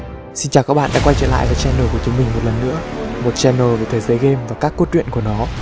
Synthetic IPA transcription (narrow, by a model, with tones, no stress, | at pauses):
si˧nt͡ɕaː˨˩wkaː˦˥k̚ɓa̰ː˧˨ɗa̰ː˧˥kwa˧jt͡ɕə̰˧˨la̰ː˧˨jvaː˨˩t͡ɕɛ˧nːoː˨˩ku˧˩ət͡ɕʊ˨˦ŋ͡mmï˨˩ŋ̟mo˨˩t̚lə˨˩nːɨ̰˧˥əmo˨˩t̚t͡ɕɛ˧nːoː˨˩ve˨˩t̪ʰːjzəː˨˦jɣe˧mvaː˨˩kaː˦˥kːu˦˥t̚t͡ɕwḭ˧˨nku˧˩ənɔ˨˦